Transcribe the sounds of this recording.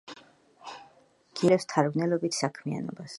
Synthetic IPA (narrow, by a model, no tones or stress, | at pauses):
ɡ̥iɾɛst̪ʰaɾɡnɛlɔbit̪ʰsakʰmia̰nɔbas